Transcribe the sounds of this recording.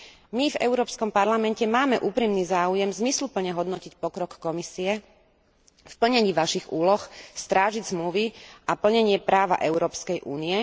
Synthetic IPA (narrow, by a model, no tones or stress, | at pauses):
mivɛ̰ʊɾɔːpskɔmpaɾlamɛncɛmaːmɛʔuːpɾimniːzaːujɛmzmislupl̩ɲɛɦɔd̪nɔcicpɔkɾɔkːɔmisiɛ | fpl̩ɲɛɲiːʋaʃiɣuːlɔxst̪ɾaːʒiɟzmluʋiʔapl̩ɲɛɲɪɛpɾaːʋa̰ʔɛʊɾɔːpskɛjʔṵːniɛ